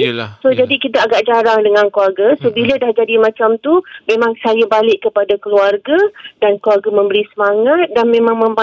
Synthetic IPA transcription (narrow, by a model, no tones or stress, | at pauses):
sod͡ʒadikit̪aːɡaʔd͡ʒaɾaŋdəŋãnkluarɡasobilədahd͡ʒadimãt͡ʃamt̪umẽmãŋsajabalɪʔkːəpadakəluarɡadankluarɡamə̃mbəɾisəmaŋat̪̚danmẽmãŋmə̃mba